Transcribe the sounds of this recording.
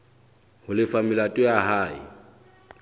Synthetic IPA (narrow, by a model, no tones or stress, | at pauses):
hʊlɪfamɪlatʼɪaɦaːḭ